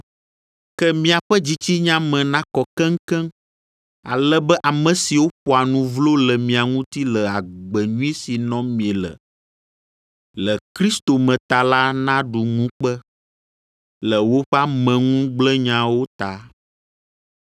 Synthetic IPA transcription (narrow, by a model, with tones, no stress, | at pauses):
kɛ˦mĩ˨a˨ɸɛ˦d͡ʑi˦t͡ɕi˦ɲã˦mɛ̃˨nã˦kɔ˨kɛ̃˦ŋ˦kɛ̃˦m | a̰˨lɛ˦bɛ˦ʔa˨mɛ̃˨si˨wo˦ɸɔ˨a˨nũ˨vlo˦lɛ˨mĩ˨a˨ŋũ˦t̪i˦lɛ˨a˨ɡ͡bɛ˨ɲũ˦i˦si˨nɔ̃˦mĩ˨e˨lə̰˨ | lɛ˨kɾi˦st̪o˨mɛ̃˨t̪a˨la˦nã˦ɖu˨ŋũ˦k͡pɛ˦ | lɛ˨wo˦ɸɛ˦a˦mɛ̃˨ŋũ˦ɡ͡blɛ˦ɲã˨wo˦t̪a˨